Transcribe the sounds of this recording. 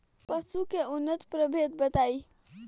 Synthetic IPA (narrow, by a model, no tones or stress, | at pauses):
pəsukeunːət̪pɾəbʱet̪̚bət̪ai